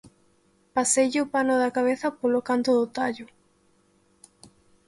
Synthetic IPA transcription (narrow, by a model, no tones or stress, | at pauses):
pasejʎɪopanʊðɐkaβ̞eθɐpolokant̪oðʊt̪aʎʊ